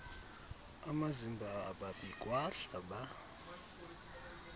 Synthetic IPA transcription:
amazimbʱaːɓaɓikʼwaɬaɓa

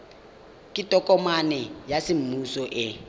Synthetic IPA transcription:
kʼɪtʼɔkʼɔmanɛjasɪm̩musɔʔɪ

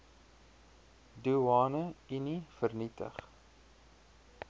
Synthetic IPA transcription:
duɑːnəinifərnitə̰χ

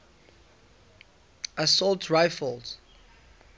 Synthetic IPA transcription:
əsɔltʰɹaɪfəld

